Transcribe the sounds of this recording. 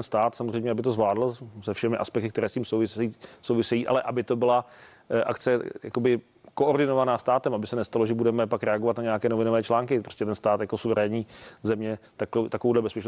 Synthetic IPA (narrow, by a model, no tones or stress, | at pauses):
nst̪aːt̪samozr̝ejmɲɛabɪt̪o̞zvlaːdl̩sɛfʃɛmɪʔa̰spɛk̚t̪ɪkt̪ɛɾɛːsciːmsowvɪisowvɪsɛjiːʔa̰lɛʔabɪt̪o̞bɪla | ʔakt͡sɛja̰kobɪ | ko̞ʔoɾdɪnovanaːst̪aːt̪ɛmʔabɪsɛnɛst̪alo̞ʒɛbudɛmɛpakɾɛaɡovat̪naɲɛakɛːnovɪno̞vɛːt͡ʃlaːŋkɪpɾoscɛt̪ɛnst̪aːt̪jakosuvɛɾɛːɲiːzɛmɲɛt̪akt̪akovowdlɛbɛspɛt͡ʃn